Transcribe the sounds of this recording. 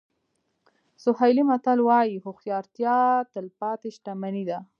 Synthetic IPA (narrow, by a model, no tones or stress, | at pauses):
sʊhajlimat̪alwɑjihʊxjɑɾt̪jɑt̪əlpɑt̪eʃʈamanid̪a